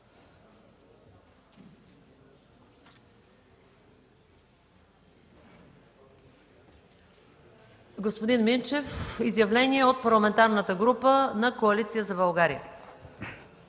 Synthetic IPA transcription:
ɡospod̪inmint͡ʃɛfizjɐvlɛniɛot̪̚pɐɾlˠɐmɛnt̪aɾnət̪əɡɾupənɐkoɐlit̪sijəzɐbɐlˠɡaɾijə̰

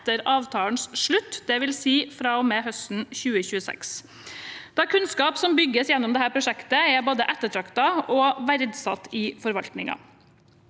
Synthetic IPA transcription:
t̪əɾɑːʋt̪ʰɑːln̩sʂɭʉt̪ːd̪ɛʋɪlsiːfɾɑːɔmeːɦœst̪n̩çʉːəçʉːəsɛ̰ks | d̪̥ɑkʰʉnskɑːpsɔmbʏɡːəsjɛnːʊmd̪ɛhæːɾpʰɾʊʂɛkt̪əɛboːd̪əʔɛt̪ːəʈʰɾɑkt̪ɑɔʋæɾd̪sɑt̪ːɪfɔɾʋɑlt̪nɪŋɑ̰

